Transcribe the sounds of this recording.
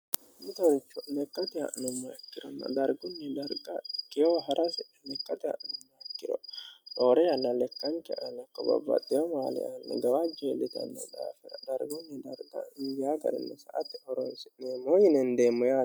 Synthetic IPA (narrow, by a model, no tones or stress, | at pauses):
mɪt̪ɔnt͡ʃːɔnɛkːɐt̪ɪɐ̰ʔɪnʊmːɔɛkːɪɾɔnːɐ̰d̪ɐɾɡʊnːɛd̪ɐɾɡɐkːɪjɔɦɐɾʔɐsɛ | nɛkːɐt̪ɪɐ̰ʔɪnʊmːɐɛkːɪd̪ɔtoːɾɛjɐnːɐlɛkːɐŋkɛʔɐnɐkːɔbɐ̰bːɐ̰t̪ːɪjɔmaːlɪ̰anːɛ̰ɡɐwad͡ʒːɔlːɪt̪ɐ̰nːɛ̰d̪a̰ːfɛɾɐd̪ɐɾɡʊnːɛd̪ɐɾɡɐ̰ɪjaːɡɐ̰ɾɪ̰nːɛsɐʔɐt̪ːɪhɔɾɔjsnemojɪnɛnd̪eːmːɔjaː